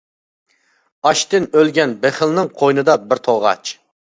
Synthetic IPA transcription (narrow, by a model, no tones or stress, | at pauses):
ɑʃt̪ɪnølɡʲɛnbeχɪlˠnɨŋqʰojnɨd̪ɑbɪɾt̪ʰoʁɑ̰t͡ʃ